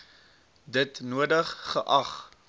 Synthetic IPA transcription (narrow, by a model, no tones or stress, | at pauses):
dətnuədəχːəʔɐχ